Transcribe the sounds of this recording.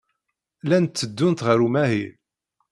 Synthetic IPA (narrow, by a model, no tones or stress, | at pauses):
lænt̪ːəd̪ːʊnt̪ʁəɾumæɦiɾ